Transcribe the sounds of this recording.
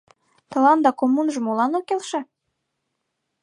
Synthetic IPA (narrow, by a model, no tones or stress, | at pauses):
t̪ɤ̆lɑnd̪ɑkomːunʒə̆molɑnokelʃĕ